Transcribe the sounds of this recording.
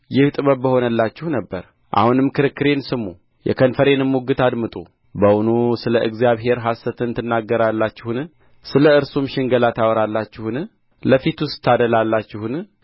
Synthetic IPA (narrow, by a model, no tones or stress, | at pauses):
jɪht̪ʼɨməbbːəho̞nəlːat͡ʃːɪhnəbːəɾ | ʔa̰hunɨmːkʰɨɾɨkːɨɾe̞nsɨmu | jɛ̰kʰənfəɾe̞nɨmːuɡɨt̪ad̪mɨt̪ʼṵ | bəwunusɨləʔɨɡzjaβɦe̞ɾɦasːət̪ʰɨnt̪ʰɨnːaɡːəɾalːat͡ʃːɪhn | sɨləɨɾsumʃɪŋɡəlat̪ʰawɾalːat͡ʃːɪhun | ləfit̪wʊst̪ʰːad̪əlalːat͡ʃːɪhun